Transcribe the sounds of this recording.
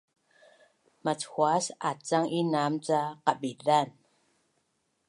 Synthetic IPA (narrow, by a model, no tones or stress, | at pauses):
mat͡sxwasa̰t͡saŋʔinamt͡saqaɓiðan